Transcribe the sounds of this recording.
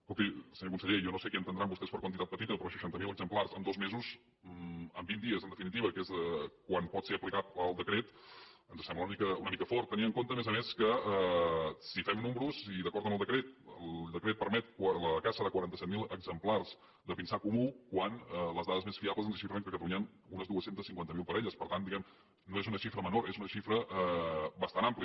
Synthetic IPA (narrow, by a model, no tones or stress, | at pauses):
skɔlˠt̪ilˠsəɲokunsəʎejɔnosekiənt̪ənd̪ɾambust̪espəɾkwənt̪it̪at̪pət̪it̪əpɾɔʃə̥ʃant̪əmiləɡzəmplarzəmd̪ozmezuz | əmbind̪iəzənd̪əfinit̪iβəkezəkwanpɔt̪seɾəplikat̪̚əlˠd̪əkɾet̪ənzəsɛmbləunəmikəunəmikəfɔrt̪ːəniməŋkont̪əːmezəmeskəɛsifɛmnumɾuziðəkɔɾt̪əməlˠd̪əkɾet̪̚əlˠd̪əkɾet̪̚pəɾmɛt̪̚kaləkasəðəkwəɾant̪əsɛt̪milˠəɡzəmplarz | d̪əpinsakumukwanələzðaðəzmesfiabləzənsəʃifɾəŋkəkət̪əluɲən | unəzðuəsent̪əsiŋkwant̪əmilˠpəɾɛʎəspəɾt̪and̪iɣɛm | noezunəʃifɾəmənoɾezunəʃifɾəʔəbəst̪anampli